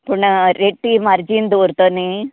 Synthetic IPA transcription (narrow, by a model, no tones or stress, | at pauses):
puɳɐɾeʈːimɐɾd͡ʒind̪oːɾt̪oni